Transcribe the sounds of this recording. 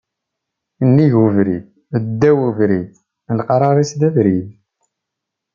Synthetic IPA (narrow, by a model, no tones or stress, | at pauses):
nːiʝuvɾið | əd̪ːæwuvɾiθ | lqɑɾˤɑɾˤisd̪ævɾið